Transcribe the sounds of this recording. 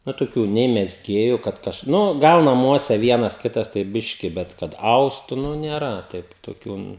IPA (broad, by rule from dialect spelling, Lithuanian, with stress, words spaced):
nʊ toːˈkʲuː nʲɛɪ mʲɛzʲˈɡʲeːjʊ kɐt ˈkɐʃ ˈnʊ ˈɡɐlˠ nɐˈmuɔsʲɛ ˈʋʲiɛnɐs ˈkʲɪtɐs tɐɪ ˈbʲɪʃʲkʲɪ ˈbʲɛt ˈkɐt ˈɐʊstʊ nʊ nʲeːˈrɐ ˈtɐɪp toːˈkʲuː